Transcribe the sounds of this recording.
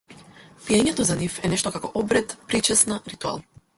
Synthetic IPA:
pijɛɲɛt̪ɔzanifɛnɛʃt̪ɔkakɔʔɔbɾɛt̪pɾit͡ʃɛsnaɾit̪ua̰lˠ

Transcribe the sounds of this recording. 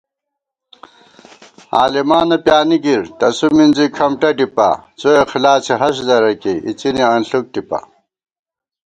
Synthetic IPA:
aːlimaːnɐpjaːniɡiɾt̪ɐsuminzikʰɐmʈɐʈipa̰t͡soexilaːt͡ɕʰeɦɐɕd̪ɐɾɐkeḭt͡ɕiniɐnɬuk̚ʈipɐ̰

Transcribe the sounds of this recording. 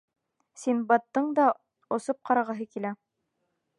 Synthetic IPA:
sinbɑt̪ːɤɴd̪ɑ | ŏsop̚qɑɾɑʁɑɦɤkilæ

